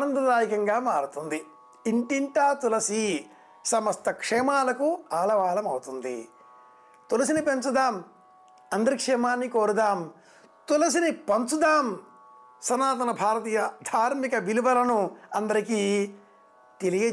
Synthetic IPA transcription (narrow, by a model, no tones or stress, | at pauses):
nɐnd̪ɐd̪aːjikɐŋɡaːmaːɾut̪und̪i | iɳʈiɳʈaːt̪ulɐsi | sɐmɐst̪ɐkʂɛːmaːlɐkuaːlɐʋaːlɐmɐwut̪und̪ḭ | t̪ulɐs̬inipent͡ʃud̪aːm | ɐnd̪ɐɾikʂɛːmaːnːikoːɾud̪aːm | t̪ulɐsinipɐnt͡ʃud̪aːm | sɐnaːt̪ɐnɐbʱaːɾɐt̪iːjɐd̪ʱaːɾmikɐʋilibɐlɐnuɐnd̪ɐɾikiː | t̪elije